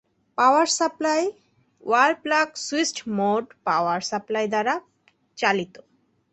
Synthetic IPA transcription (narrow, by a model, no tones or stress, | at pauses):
pawaɾsaplaj | walplaksuisʈmoɖpawaɾsaplajd̪aɾa | t͡ɕalit̪o